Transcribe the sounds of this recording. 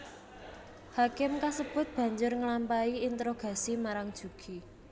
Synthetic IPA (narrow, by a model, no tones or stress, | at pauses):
hakɪmkasəb̥ʊ̤t̪̚b̥ä̤ɲd͡ʒʊrŋəlampaiint̪ɾoɡ̥a̤simaɾaŋd̥ʒ̥ṳɡ̥i